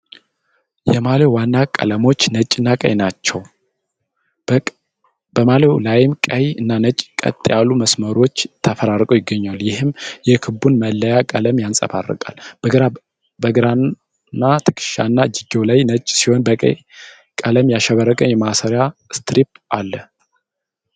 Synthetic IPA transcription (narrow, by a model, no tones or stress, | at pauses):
jɛmalewanːakʼə̰ləmo̞t͡ʃːnət͡ʃʼɪnːakʼə̰jnat͡ʃːɛw | b̥əmaləwlajɪmkʼəjɨnːanət͡ʃʼkʼə̰t̪ʼːjalːuməsməɾo̞t͡ʃːt̪ʰːəfəɾaɾkʼəowjɪɡːəɲːaljɪhɨmjɛkʰɨbunməlːəjakʼələmjansʼə̰fa̰rːə̰kʼa̰lb̥əɡɾa | bəɡɨɾan | nːat̪ʰɨ̥kʰʼɨ̥ʃa̰nːad͡ʒiɡewlajnət͡ʃʼːsiho̞nbəkʼə̰j | kʼələmjaʃɛβəɾːəkʼənjɛmasəɾjast̪ʰɾipʔalːə